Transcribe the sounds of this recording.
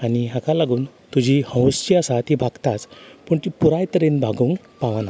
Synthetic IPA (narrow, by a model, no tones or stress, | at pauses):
aniɦakalaɡuːn | t̪ud͡ʑʱihə̃w̃st͡ɕiasat̪ibʱaɡt̪at͡spəːɳt̪ipuɾajt̪əɾenbʱaɡuːŋɡ | paʋana